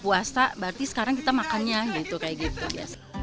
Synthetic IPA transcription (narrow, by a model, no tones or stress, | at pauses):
puasabart̪isə̥kaɾaŋk̬it̪amakanɲajait̪ukajaɡit̪ubia̰s